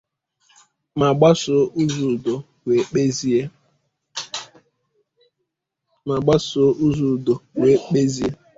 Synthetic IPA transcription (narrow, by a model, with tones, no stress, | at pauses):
ma˨ɡ͡ba˦sʊ˨u˦zu˨do˨ | wʷe˨k͡pe˦zi˦e˦ | ma˨ɡ͡ba˦sʊ˨ʔu˦zu˨do˨we˨˦k͡pe˦zi˦e˦